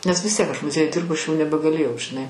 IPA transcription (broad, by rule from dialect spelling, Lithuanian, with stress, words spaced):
nʲɛs ʋʲɪs ˈtʲiɛk ɐʃ mʊˈzʲiɛjʊj ˈdʲɪrbʊ ˈɐʃ jɛʊ nʲɛbʲɛɡɐˈlʲeːjɛʊ ʒʲɪˈnɐɪ